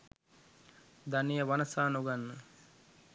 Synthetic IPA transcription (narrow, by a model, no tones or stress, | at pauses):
d̪anijəʋanəsaːnoɡanːə